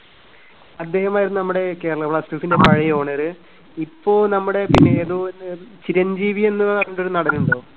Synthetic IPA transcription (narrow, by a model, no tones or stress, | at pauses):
ɐd̪ːe̞ːhɐmaːjiɾunːunɐmːuɽe̞kːeːɾɐɐʋɭɐsʈifinde̞pɐɻɐjoːɳɐɾɨ | ipːo̞ːɭnɐmːuɽe̞pinːe̞ːðoːnːɨt͡ɕiɾɐɲd͡ʑiːʋie̞nːɨɐrnːuɳɖoɾunɐɽɐnːuɳɖoː